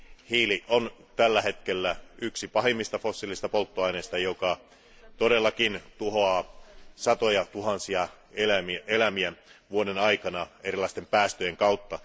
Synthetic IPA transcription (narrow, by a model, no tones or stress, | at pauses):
hiːliʔont̪ælːæhe̞t̪k̟elːæyksipɑɦemːist̪ɑfosːilːist̪ɑpolt̪ːoɑineːst̪ɑjokɑ | t̪odelːɑkint̪uɦoɑːsɑt̪ojɑt̪uɦɑnsiɑ | elæmelæmiæʋuodenɑikɑnɑeɾilːˑɑist̪empæːst̪øjeŋkɑut̪ːɑ